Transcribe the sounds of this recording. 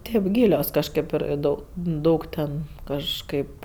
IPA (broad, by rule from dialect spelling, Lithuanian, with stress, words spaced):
ˈtʲeːp ˈɡʲiːlʲoːs kɐʃʲˈkʲeːp ɪr ˈdɐʊ ˈdɐʊk tʲɛn kɐʃˈkɐɪp